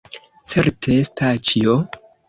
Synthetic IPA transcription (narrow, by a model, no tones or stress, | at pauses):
t͡se̞ɾtʰeestast͡ʃio